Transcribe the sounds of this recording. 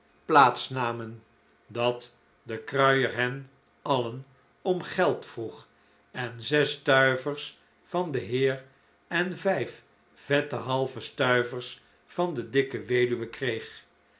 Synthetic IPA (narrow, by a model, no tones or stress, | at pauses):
plaːtsnaːmən | dɑt | dəkrœɥəɹɦɛn | ɑlən | ɔmχɛlˠtfruχ | ɛnzɛstœɥvərs | fɑndəɦɪːr | ɛnvɛjf | v̥ɛtəɦɑlˠvəstœɥvərs | fɑndədɪkəʋejdyʋəkrejχ